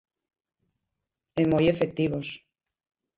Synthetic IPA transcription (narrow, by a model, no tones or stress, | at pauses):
emojefek̚t̪iβos